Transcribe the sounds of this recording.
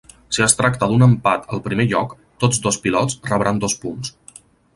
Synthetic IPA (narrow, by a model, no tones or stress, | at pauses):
siəst̪ɾakt̪əd̪unəmpat̪əlˠpɾimeʎɔk | t̪od͡zd̪ospilɔt͡srəβɾand̪ɔspuns